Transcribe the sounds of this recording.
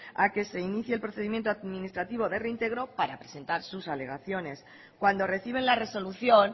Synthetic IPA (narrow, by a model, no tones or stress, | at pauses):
ake̞se̞iniθjelpɾo̞θe̞ðimje̞nt̪oaðmĩnist̪ɾat̪iβ̞o̞ðe̞reint̪e̞ɣɾo̞paɾapɾe̞se̞nt̪aɾsusale̞ɣ̞aθjo̞ne̞s | kwand̪o̞re̞θiβ̞e̞nlare̞so̞luθjo̞n